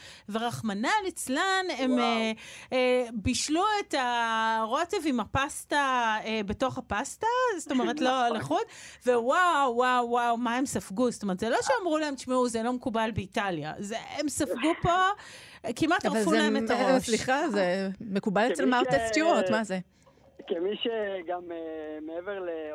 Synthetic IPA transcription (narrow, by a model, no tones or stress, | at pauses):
veʁaχmanalet͡slaneme | biʃluetaʁo̞tevimapastaebe̞to̞χhapastazto̞meʁetloleχudvewaːawːawmae̞msafɡustomeet̪z̥elo̞ʃeamʁulae̞mʃmeuzelo̞mekubalbeitalja̰zeemsafɡupo̞ | kimat̪ʁalulaemetasliχazeme̞kubalet͡selmawt̪estjueʁtmaze | kemiʃeɡamemeeveʁle